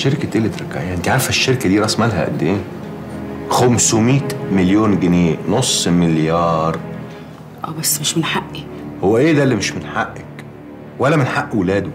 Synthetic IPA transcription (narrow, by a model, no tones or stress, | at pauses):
ʃeɾkæt̪elːet̪ɾˤɑkːaʕejːæʔent̪iʕaɾˤfæʃːeɾkæd̪iːɾˤɑsˤmælɦæ̰ʔæ̰d̪ːeːn | xæmsomiːt̪meljoːnɡeneːnosˤːmɪljɑːɾˤ | ʔæ̰ːbæsːmeʃmenħaʔːi | howːæʔeːd̪ælːimeʃmenħaʔːæk | wælːæmenħaʔːwelæːd̪o